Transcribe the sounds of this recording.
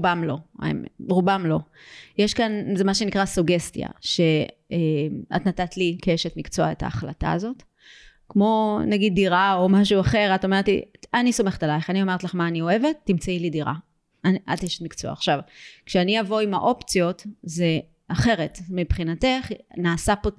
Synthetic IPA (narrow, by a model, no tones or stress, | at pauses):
ubamlo̞̰mʁubamlo̞jeʃkanzemaʃe̞nikʁasuɡe̞stja̰ʃe̞ema̰tnatatlikeeʃetmikt͡soaeta̰ːχla̰ta̰ːzo̞t | kmo̞naɡid̚ːiʁao̞maʃ̬uaχe̞ʁatomeʁet̪lḭanisomeχet̪alajiχanio̞meʁet̪laχmaːnio̞e̞ve̞tːimt͡sailidiʁa̰ | anat̪eʃe̥tmikt͡soa̰ːχʃavkʃeanijavo̞ima̰ʔo̞pt͡sijo̞tze̞ | aχe̞ʁe̞tmipχinate̞χnaːsapo